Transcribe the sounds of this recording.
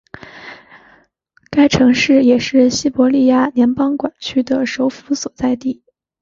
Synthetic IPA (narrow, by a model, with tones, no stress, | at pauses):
ka˥ɪʈ͡ʂʰɤ˧˥ŋʂɻ̩˥˩jɛ˨˩ʂɻ̩˥˩ɕi˥pwɔ˧˥li˥˧ja˥˩njɛ˧˥npɑ˥ŋkwa˨˩nt͡ɕʰy˥d̪ə˨ʂo˧˥ʊfu˧˥swɔ˨˩t͡sa˥˧ɪt̪i˥˩